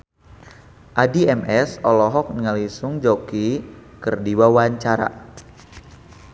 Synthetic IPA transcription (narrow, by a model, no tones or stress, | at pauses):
ʔadiɛmʔɛsɔlɔɦɔk̚nəŋalisuŋd͡ʒɔkikərdiwawaɲt͡ʃaɾa̰